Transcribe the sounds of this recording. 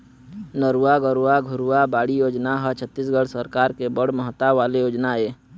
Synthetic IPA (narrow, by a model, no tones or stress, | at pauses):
nəɾuaɡəɾuaɡʱʊɾuabaːɽijoːd͡ʒnaɦət͡ʃʰət̪ːisɡəɽsəɾkaːɾkebəɽ̤məɦt̪aʋaːlejoːd͡ʒnaeː